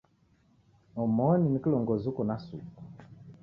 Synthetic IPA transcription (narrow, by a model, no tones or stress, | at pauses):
ɔmɔninikilɔŋɡɔzukɔnasṵku